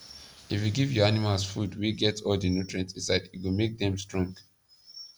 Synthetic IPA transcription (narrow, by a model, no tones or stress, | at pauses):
ifjuɡivjɔanimalsfudwiɡɛtʰɔldinutɹɛ̃nsĩsaɪdiɡomek̚d̪ɛ̃mstɹɔ̃ŋɡ